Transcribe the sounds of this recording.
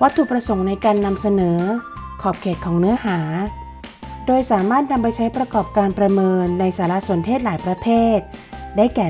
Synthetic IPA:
wa˦˥t̪ʰːu˨˩pɾa˧so˩˦ŋna˧jkaː˧nːa˧msa˧nɤː˩˦kʰɔː˨˩p̚kʰeː˨˩t̪̚kʰɔː˩˦ŋnɯ˦˥ɐɦaː˩˦ | doː˧jsaː˩˦maː˥˩t̪̚na˧mpa˧jt͡ɕʰa˦˥jpɾa˧kɔː˨˩p̚kaː˧npɾa˧mɤː˧nːa˧jsaː˩˦la˦˥ʔsu˨˩˦ənt̪ʰeː˥˩t̪̚laː˩˦jpɾa˧pʰeː˥˩t̪̚daː˥˩jkɛː˨˩

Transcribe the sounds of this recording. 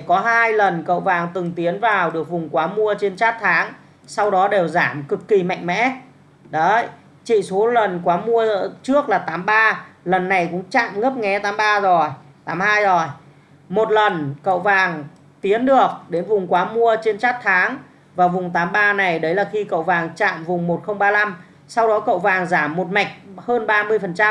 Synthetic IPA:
kɔ˨˦ɦaː˧jlə˨˩nkə̰˧˨wvaː˨˩ŋt̪ɨ˨˩ŋt̪i˨˦ənvaː˨˩wɗɨ˨˩ək̚vʊ˨˩ŋ͡mkwaː˨˦mu˧ət͡ɕe˧nt͡ɕaː˦˥t̚t̪ʰaː˨˦ŋ | sa˧wɗɔ˨˦ɗe˨˩wzaː˧˩mkɨ˨˩kːi˨˩ma̰˧˨jŋ̟mɛ̰˧˥ | ɗə˨˦ | t͡ɕḭ˧˨so˨˦lə˨˩nkwaː˨˦mu˧ə˧t͡ɕɨ˦˥ək̚laː˨˩t̪aː˨˦mɓaː˧lə˨˩nːa˨˩jkʊ̰˧˥ŋ͡mt͡ɕa̰ː˧˨mŋə˦˥p̚ŋɛ˨˦t̪aː˨˦mɓaː˧zo˨˩j | t̪aː˨˦mhaː˧jzo˨˩j | mo˨˩t̚lə˨˩nkə̰˧˨wvaː˨˩ŋ | t̪i˨˦ənɗɨ˨˩ək̚ɗe˨˦nvʊ˨˩ŋ͡mkwaː˨˦mu˧ət͡ɕe˧nt͡ɕa˦˥k̚t̪ʰaː˨˦ŋ | vaː˨˩vʊ˨˩ŋ͡mt̪aː˨˦mɓaː˧na˨˩jɗə˨˦jlaː˨˩xi˧kə̰˧˨wvaː˨˩ŋt͡ɕa̰ː˧˨mvʊ˨˩ŋ͡mmo˨˩t̚xə˧wŋ͡mɓaː˧la˧m | sa˧wɗɔ˨˦kə̰˧˨wvaː˨˩ŋzaː˧˩mːo˨˩t̚ma˨˩jk̟̚həː˧nɓaː˧mɨ˧əjfə˨˩nt͡ɕa˧

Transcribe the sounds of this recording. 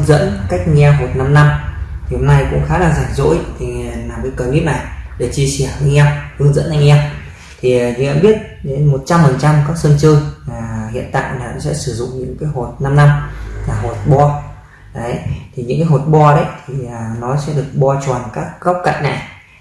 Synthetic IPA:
ŋzə̰˧˥nka˦˥jk̟̚ŋɛ˧ɦo˨˩t̚na˧mna˧mt̪ʰi˨˩ho˧mna˧jkʊ̰˧˥ŋ͡mxaː˨˦laː˨˩zaː˨˩ŋzo̰˧˥jt̪ʰi˨˩˨naː˨˩mə˨˧˦kə˨˩mi˦˥ət̚na˨˩jɗe˧˩k̚t͡ɕi˧əsi˧˩əhɨː˧ŋʔɛ˧whɨ˧əŋzə̰˧˥nʔa˧˩ŋʔɛ˧m | t̪ʰi˨˩˨ɲ̰˧a˧˦ɓi˦˥ət̚ɗe˨˦nmo˨˩t̚t͡ɕa˧mfə˨˩nt͡ɕa˧mkaː˦˥k̚sə˧nt͡ɕɨ˧ŋlaː˨˩hḭ˧˨ənt̪a̰ː˧˨jlaː˨˩nɔ˨˦sɛ̰˧˥sɨ˧˩zʊ̰˧˨ŋ͡mɲɨ̰˧˥ŋkaː˨˦jɦo˨˩t̚na˧mna˧mlaː˨˩ɦo˨˩t̚ɓɔ˧ | ɗə˨˦jt̪ʰi˨˩ɲɨ̰˧˥ŋkaː˨˦jɦo˨˩t̚ɓɔ˧ɗə˨˦jt̪ʰi˨˩əː˨˩nɔ˨˦sɛ̰˧˥ɗɨ˨˩ək̚ɓɔ˧t͡ɕwaː˨˩nkaː˦˥k̚ːa˦˥wk͡p̚ka̰˧˨ŋ̟na˨˩j

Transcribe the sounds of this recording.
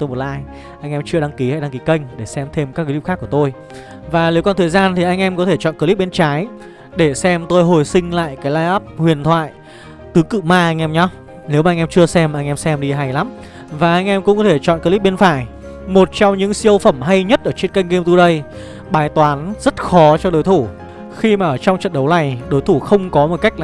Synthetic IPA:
t̪o˧jmo˨˩t̚la̰ː˧˨ʔːj | ʔa˧jŋ̟ʔɛ˧mt͡ɕɨ˧əɗa˧ŋki˨˦a̰ː˧˨jɗa˧ŋki˨˦kə˧jŋ̟ɗe˧˩sɛ˧mt̪ʰe˧mkaː˦˥k̚ə˨˦i˦˥xaː˦˥kːə˩t̪o˧j | vaː˨˩ne˨˦wkɔ˧nt̪ə˨˩jzaː˧nt̪ʰi˨˩ʔa˧jŋ̟ʔɛ˧mkɔ˨˦t̪ʰe˧˩t͡ɕɔ̰˧˨nkə˧li˦˥p̚ɓe˧nt͡ɕaː˨˦j | ɗe˧˩sɛ˧mt̪o˧jɦo˨˩jsï˧ŋ̟la̰ː˧˨jkaː˨˦jlaː˧jʔaː˦˥p̚hwi˨˩ənt̪ʰwa̰ː˧˨j | t̪ɨ˨˦kɨ̰˧˨maː˧ʔa˧jŋ̟ʔɛ˧mɲɔ˧˦ | ne˨˦wmaː˨˧ŋʔɛ˧mt͡ɕɨ˧əsɛ˧mʔa˧jŋ̟ʔɛ˧msɛ˧mɗi˧ɦa˨˩jla˨˦m | vaː˨˩ʔa˧jŋ̟ʔɛ˧mkʊ̰˧˥ŋ͡mkɔ˨˦t̪ʰe˧˩t͡ɕɔ̰˧˨nkə˧li˦˥p̚ɓe˧nfaː˧˩j | mo˨˩t̚t͡ɕɔ˧wŋ͡mɲɨ̰˧˥ŋsi˧əwfə˧˩mɦa˧jɲə˦˥t̚ʔəː˧˩t͡ɕe˧nka˧jŋɣe˧mt̪u˧ɗə˧j | ɓaː˨˩jt̪waː˨˦nzə˦˥t̚xɔ˨˦t͡ɕɔ˧ɗo˨˦jt̪ʰu˧˩ | xi˧maː˨˩ʔəː˧˩t͡ɕɔ˧wŋ͡mt͡ɕə̰˧˨nɗə˨˦wna˨˩jɗo˨˦jt̪ʰu˧˩xə˧wŋ͡mkɔ˨˦mo˨˩ka˦˥k̚l

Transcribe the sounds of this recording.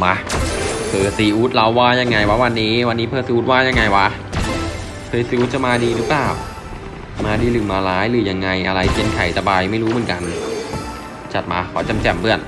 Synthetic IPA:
ma˦˥pʰɤː˧˩siː˨˧ʔuː˦˥t̪̚la˧˥wːaː˥˩ja˧ŋːa˧jwa˦˥wa˧nːiː˦˥wa˧nːiː˦˥pʰɤː˧˩siː˧ʔuː˦˥t̪̚waː˥˩ja˧ŋːa˧jwa˦˥ | pʰɤː˧siː˧˦ʔuː˦t̪̚t͡ɕa˧˩maː˧diː˧ɾɯː˦˥plaː˨˩w | maː˧diː˧lɯ˨˩maː˧laː˦˥jlɯː˨˩ja˧ŋːa˧jʔa˧ɾa˧jpʰi˧nkʰa˨˩jsa˧baː˧jma˥˩jɾuː˦˥mɯ˨˩˦nka˧n | t͡ɕa˨˩t̪̚maː˧kʰɔː˩˦t͡ɕa˧mt͡ɕɛ˨˩mbɯ˥˩ən

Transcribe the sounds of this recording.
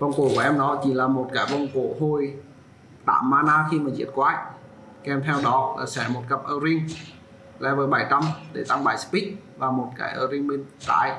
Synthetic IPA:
vwŋ͡mko̰˧˨ku˧˩ʔɛ˧mɗɔ˨˦t͡ɕi˨˩laː˨˩mo˨˩t̚kaː˨˦jvɔ˧˩wŋ͡mko̰˧˨ɦo˧j | t̪a̰ː˧˨mːaː˧naː˧xi˧maː˨˩zḭ˧˩ət̚kwaː˧˩j | kɛ˧mt̪ʰɛ˧wɗɔ˨˦a˨˩sɛ˧˩mo˨˩t̚kə˨˩p̚ʔəː˧ɾi˧əŋ | lɛ̰˨˧˦vəː˨˦jɓaː˧˩jt̪a˧mɗe˧˩t̪a˧ŋɓaː˧˩jsə̥˦˥pï˦˥k̚ | vaː˨˩mo˨˩t̚ka̰ː˧˩jʔəː˧ɾi˧əŋɓe˧nt̪a̰ː˧˨j

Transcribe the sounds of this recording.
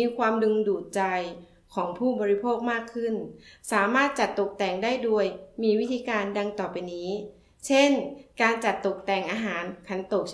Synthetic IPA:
iː˧kʰwaː˧mdɯ˧ŋduː˨˩t̪̚t͡ɕa˧j | kʰɔː˩˦ŋpʰuː˥˩bɔː˧ɾi˧pʰoː˥˩k̚maː˥˩kʰːɯ˥˩nsaː˩˦maː˥˩t̪̚t͡ɕa˨˩t̪ːo˨˩k̚t̪ɛː˨˩ŋdaː˥˩jdu˧əjmiː˧wi˦˥t̪ʰiː˧kaː˧nda˧ŋt̪ɔː˨˩pa˧jniː˦˥ | t͡ɕʰe˥˩nkaː˧nt͡ɕa˨˩t̪ːo˨˩k̚t̪ɛː˨˩ŋʔaː˧ɦaː˩˦nkʰa˩˥nt̪o˨˩k̚

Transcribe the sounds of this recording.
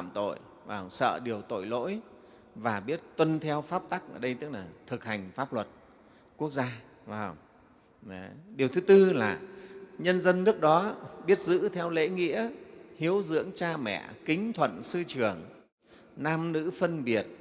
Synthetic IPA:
a˧˨mt̪o̰˧˨j | vaː˧˩ŋ͡msə̰ː˧˨ɗi˨˩əwt̪o̰˧˨jlo̰˧˥j | vaː˨˩ɓi˦˥ət̚t̪wə˧nt̪ʰɛ˧wfaː˦˥p̚t̪a˦˥k̚ʔəː˧˩ɗə˧jt̪ɨ˦˥k̚laː˨˩t̪ʰɨ˨˩k̚ha˨˩jŋ̟faː˦˥p̚lwə˨˩t̚ | ku˦˥ək̚zaː˧ | vaː˧˩ŋ͡m | ɗi˨˩əwt̪ʰɨ˨˦t̪ɨ˧laː˨˩ɲə˧nzə˧nːɨ˦˥ək̚ɗɔ˨˦ɓi˦˥ət̚zɨ̰˧˥t̪ʰɛ˧wlḛ˧˥ŋḭ˧˥əhi˨˦əwzɨ̰˧˥əŋt͡ɕaː˧mɛ̰˧˨kï˨˦ŋ̟t̪ʰwə̰˧˨nsɨ˧t͡ɕɨ˨˩əŋ | naː˧mnɨ̰˧˥fə˧nɓi˨˩ət̚

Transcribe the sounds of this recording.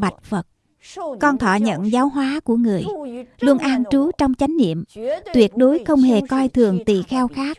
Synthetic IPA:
ɓa˨˩t̚fə˨˩t̚ | kɔ˧nt̪ʰɔ̰˧˨ɲə̰˧˨nzaː˨˦wɦwaː˨˦ku˧˩əŋɨ˨˩əjlu˧ənʔaː˧nt͡ɕu˨˦t͡ɕɔ˧wŋ͡mt͡ɕa˨˦jŋ̟nḭ˧˨əmt̪wi˨˩ət̚ɗo˨˦jxə˧wŋ͡mhe˨˩kɔ˧jt̪ʰɨ˨˩əŋt̪ḭ˧˨xɛ˧wxaː˦˥k̚

